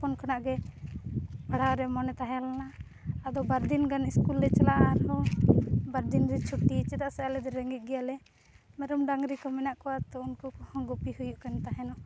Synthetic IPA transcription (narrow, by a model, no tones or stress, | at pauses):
pɔnkʰanaʔɡɛ | paɽ̤awɾɛmɔnɛt̪aɦɛalnaː | d̪ɔbaɾd̪inɡaniskulːɛt͡ʃalaʔaɾhɔ | baɾd̪inɾɛt͡ʃʰuʈːit͡ʃɛt̪aʔsaalɛd̪ɔɾɛŋɡit̪̚ˀɡɛjalɛ | mɛɾɔmɖaŋɡɾikɔmɛnaʔkɔwat̪ɔunkukɔhɔ̃ɡɔpihujuʔkant̪aɦɛnɔ